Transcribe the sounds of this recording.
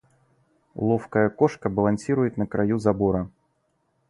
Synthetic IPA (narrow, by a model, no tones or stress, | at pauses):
lˠɔfkəjɐkɔʂkɐbɐlˠansʲiɾʊjɪt̪nɐkɾajuzabɔɾɐ